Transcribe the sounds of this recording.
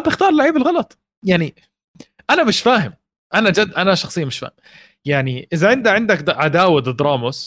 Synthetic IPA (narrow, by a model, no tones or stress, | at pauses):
bɪxt̪ɑːɾˤlːaʕiːbɪlɣɑlɑt̪ˤ | jaʕni | ʔanamɪʃfaːhɪm | ʔanad͡ʒad̪ʔanaʃɑxsˤɨjːamɪʃfa̰ːhɪm | jaʕniʔɪzaʕɪnd̪aʕɪnd̪akʕad̪aːwad̪ɨd̪ɾˤɑːmʊs